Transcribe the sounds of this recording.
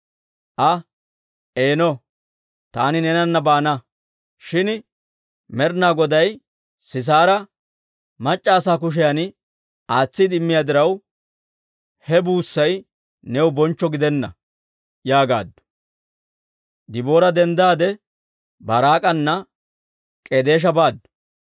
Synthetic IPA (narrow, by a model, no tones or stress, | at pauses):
ʔɐ | ʔeːnɔ | t̪aːnɪnɛnɐnːɐbaːnɐ | ʃɪn | mɛɾnaːɡɔd̪ɐj | sɪs̬aːɾɐ | mɐt͡ʃʼːaːsaːkʊʃ̬ɛjan | aːt͡sːɪd̪ɪmːɪjaːd̪ɪɾɐw | hɛbuːsːɐj | nɛwbɔnt͡ʃːɔɡɪd̪ɛnːɐ̰ | jaːɡa̰ːd̪ːʊ̥ | d̪ɪbo̞ːɾɐd̪ɛnd̪aːd̪ɛ | bɐɾaːkʼɐnːɐ | kʼed̪e̞ːʃ̬ɐbaːd̪ːʊ̥